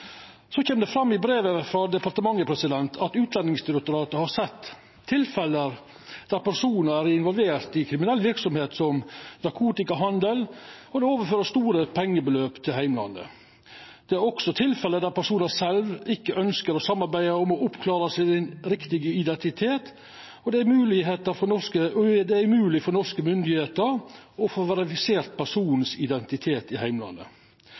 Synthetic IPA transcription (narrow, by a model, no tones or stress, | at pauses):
sɔçeːmd̪ɛfɾɑmːɪbɾeːʋəfɾɑd̪ɛpɑɾt̪əmɑŋːəpʰɾɛsɪd̪ɛnt̪ʰɑt̪ʉːt̪lɛnːɪŋsd̪ɪɾəkt̪ʊɾɑːt̪əhɑɾsɛt̪ʰː | ɪlfɛlːəɾ | d̪̥æɾpæɾʂuːnəɾæɾɪnʋɔlʋeːɾt̪ɪkʰɾɪmɪnɛlːʋɪɾksɔmheːt̪sɔmnɑkʰuːt̪ɪkɑɦɑnd̪əl | ɔd̪ɛoːʋəɾføːɾəʂst̪uːɾəpʰɛŋːəbəløːpt̪ʰɪlɦæɪmlɑ̰nd̪ə̰ | d̪̥ɛæɾɔksɔt̪ʰɪlfɛləd̪æɾpʰæʂuːnəsɛlʋɪkːəʔœnskəɾɔsɑmːɑɾbæɪəɔmɔʊpkʰlɑːɾəsɪɪnɾɪkt̪ɪɡəɪd̪ɛnt̪ɪt̪ʰeːt̪ | ɔd̪ɛæɾmʉːlɪɦeːt̪əɾfɔnɔʂkəd̪ɛæɾmʉːlɪfɔɾnɔʂkəmʏnd̪ɪheːt̪əɾɔfoːʋɛɾɪfɪseːɾt̪̚pʰæʂuːnn̩sɪd̪ɛnt̪ɪt̪ʰeːt̪ɪhæɪmlɑ̰nd̪ə̰